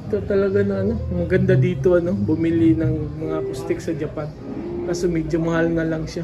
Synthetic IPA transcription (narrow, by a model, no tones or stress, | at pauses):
t̪ot̪ɐlɐɡanoŋɐno̞mɐɡɐnd̪ad̪iːt̪o̞ʔɐno̞bʊmɪlɪnɐŋmɐŋakʊst̪ɪksɐd͡ʒɐpan | kaːsomɛːd͡ʒomɐhalnɐlɐŋʃa